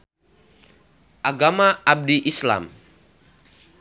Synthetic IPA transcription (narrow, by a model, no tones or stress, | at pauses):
ʔaɡamaab̚diʔisla̰m